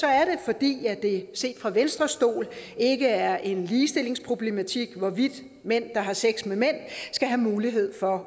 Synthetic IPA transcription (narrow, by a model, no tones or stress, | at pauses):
sɒ̽æɐɾ̥e̝fɒ̽d̥ḭːæd̥e̝se̝̰ːd̥fʁɑ̈ʋensd̥ʁɐsd̥o̝̰ːle̝ɡ̥əæɐʔe̝nliːsd̥e̝le̝ŋspʰʁob̥le̝mæt͡sʰiɡ̥ʋɒʋid̥ | men̰d̥ɑ̈ɦɑ̈seɡ̥smemen̰sɡ̥æɦæmuːliɦe̝ð̰ˠfɒ̽